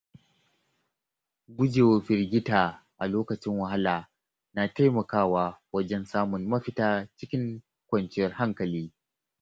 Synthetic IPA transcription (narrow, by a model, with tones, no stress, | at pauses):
ɡʷʊ˦d͡ʒeː˨woː˦ɸɪ˦rɡʲɪ˦taː˨ʔa˨loː˦kɐ˨t͡ʃɪ˦ŋwɐ˨ha˦laː˨ | naː˨ta˦jmɐ˨kaː˦waː˦wɐ˦d͡ʒɛ˦nsaː˦mʊ˨nmɐ˦ɸɪ˦taː˦t͡ʃɪ˦kʲɪ˦ŋ | kʷɐ˨nt͡ʃɪ˦jɐ˦rha˦ŋkɐ˨liː˦